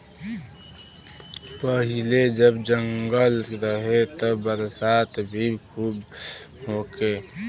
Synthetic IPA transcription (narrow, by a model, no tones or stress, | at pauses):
pəɦiled͡ʒəbd͡ʒəŋɡəlɾəɦet̪əbəɾsat̪bʱikʰubɦoke